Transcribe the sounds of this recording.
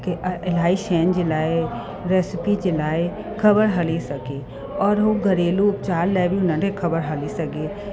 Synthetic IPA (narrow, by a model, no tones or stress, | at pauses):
keʔɪlaːiʃɛːnd͡ʒɪlaːe | ɾeːsɪpid͡ʒɪlaːe | kʰəbəɾɦɐlesəkeː | ɔːɾɦoɡʱəɾeːlupt͡ʃaːɾlɛjbiʊnãʈekʰəbəɾɦəlisəkeː